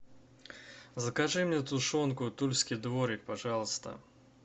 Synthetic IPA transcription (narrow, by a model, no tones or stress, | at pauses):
zɐkaʐɨmnʲɛt̪uʂɔnkʊt̪ulʲsʲkʲid̪voɾʲɪk̚paʐɑlˠst̪ə̰